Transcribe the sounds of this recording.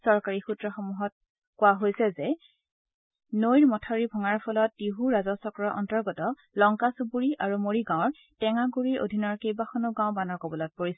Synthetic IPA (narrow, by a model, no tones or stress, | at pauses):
sɔɹkaɹixutɹɔxomuɦɔt̚ | kʊwaɦojsɛzɛ | nojɹmɔtʰaɹibʱɔŋaɹpʰɔlɔt̚ːiɦuɹazɔsɔkɹɔʔɔntɔɹɡɔtɔ | lɔŋkasupuɹiʔaɹumoɹiɡãw̃ɔ̃ɹ | tɛŋaɡuɹiɹʔo̰dʱinɔɹkejbaxɔnʊɡãʊ̃banɔɹkɔbɔlɔt̚poɹisɛ